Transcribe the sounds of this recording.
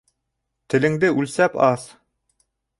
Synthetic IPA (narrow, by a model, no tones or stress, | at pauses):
t̪ɘ̆lɘ̆ŋd̪ɘʔʉlsæpɑθ